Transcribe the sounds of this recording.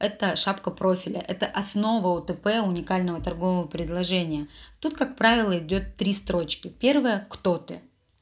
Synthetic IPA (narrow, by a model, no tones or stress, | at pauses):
ɛt̪əʂapkəpɾo̞fʲɪlʲə̰ʔɛt̪əʔɐsno̞vəʊt̪ɨpɛʊnʲɪkalʲnəvət̪ɐrɡo̞vəvəpɾʲɪd̪lˠɐʐɛnʲɪjət̪ut̪̚kakpɾavʲɪlˠəɪdʲo̞t̪ːɾʲist̪ɾo̞t͡ɕkʲɪpʲe̞rvəjəkt̪o̞t̪ɨ̰